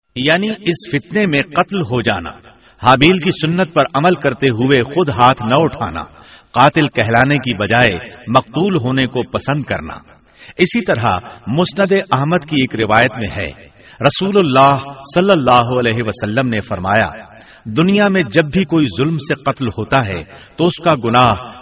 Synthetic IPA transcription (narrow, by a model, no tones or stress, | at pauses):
jaːniɪsfɪt̪nemẽqɐt̪lɦod͡ʒa̰ːna̰ | haːbiːlkisʊnːət̪̚pɐɾɐməlkɐɾt̪eɦʊexʊd̪ɦaːt̪ʰnɐʊʈʰa̰ːna̰ | qaːt̪ɪlkɛɦlaːnekibɐd͡ʒaːemɐq̚t̪uːlɦoːnekopɐsə̃nd̪̚kɐ̰ɾna̰ː | ɪsit̪ɐɾa̰mʊsnəd̪eʔɐɦməd̪kieːkɾɪʋaːjət̪mḛ̃ɦɛ̰ː | ɾɐsuːlʊlːaːɦsɐlːəlːaːɦoɐlɛːɦeʋɐsɐlːəmnefɐɾma̰ːja̰ | d̪ʊnijamẽd͡ʒɐbːʱikoːizʊlmseqɐt̪lhoːt̪aɦɛ̰ | t̪oʊskaɡʊnaːɦ